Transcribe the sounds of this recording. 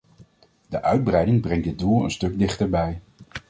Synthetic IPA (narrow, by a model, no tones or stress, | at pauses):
dəʔœɥd̚brɛjdɪŋbrɛŋdəd̚dulˠə̰nstɵɡ̚dɪχtəɹbɛj